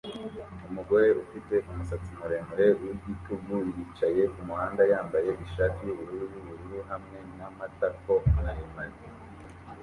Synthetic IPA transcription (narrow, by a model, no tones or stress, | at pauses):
umuɡo̞ɾe̞ufite̞ʔumusat͡simuɾeːmuɾe̞wiɟituɡujit͡ʃaje̞kumuhaːndajaːmbaje̞ʔiʃaːtijuβuɾuːɾuβiβuɾuɾuɦamŋe̞namatako̞najimaɾe